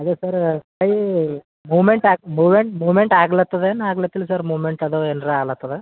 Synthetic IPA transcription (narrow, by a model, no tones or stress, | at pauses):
ɐd̪esɐɾ | ɐji | muːmeɳʈaːmuːmeɳʈmuːʋmeɳʈaːɡɐɭɐt̪ːɐd̪eːnːaːɡɐlɐt̪ːilusɐɾmuːmeɳʈɐd̪oːenɾɐaːɡɐlɐt̪ːɐðe